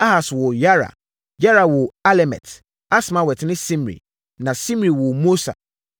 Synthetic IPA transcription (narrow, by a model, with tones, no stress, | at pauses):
a˦ha˨swʊ˨ja˦ɾa̰˨ | ja˦ɾa˨wʊ˨a˦lɛ˨mɛ̰˨t | a˦smã˨wɛ˨tnɪ̃˦sĩ˦mɾḭ˨ | nã˨sĩ˦mɾi˨wʊ˨mo˦sa̰˨